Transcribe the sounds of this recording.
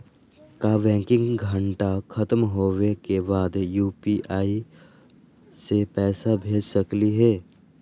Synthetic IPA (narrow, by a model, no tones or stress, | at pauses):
kaʋɛ̃ːŋkɪ̃ŋɡɡʱəɳʈakʰɐt̪mɦoːwekebaːd̪juːpiʔaːi | sepɛːsabʱeːd͡ʒsəkliɦɛː